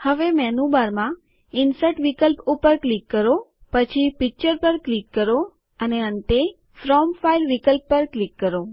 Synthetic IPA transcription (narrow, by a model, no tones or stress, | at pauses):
həʋemɛnubaɾmã | ɪnsəʈʋikəlpupəɾklikːəɾopət͡ʃʰipik̚t͡ʃəɾpəɾklikːəɾo | əneəɳʈ̪e | fɾɔmfailʋikəlpːəɾklikːəɾo